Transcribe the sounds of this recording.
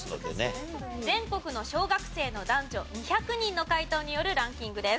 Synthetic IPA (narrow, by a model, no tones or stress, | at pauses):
no̰d̪ḛned͡zẽ̞ŋko̞kɯ̟no̞ɕo̞ːɡakɯ̟̥se̞ːno̞d̪ãɲd͡ʑo̞ɲ̟içakɯ̟ɲ̟ĩnːo̞kait̪o̞ːɲ̟ijo̞ɾɯ̟ɾãŋkʲĩŋɡɯ̟d̪e̞s